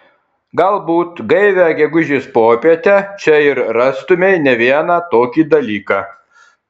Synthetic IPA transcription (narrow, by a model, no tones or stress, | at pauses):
ɡɐlˠbuːt̪ɡɐɪʋʲæɡʲɛɡʊʒʲiːspoːpʲiɛt̪ʲæt͡ʃʲɛɪɾɾɑst̪ʊmʲɛɪnʲɛʋʲiɛnɑːt̪oːkʲiːd̪ɐlʲiːkɑː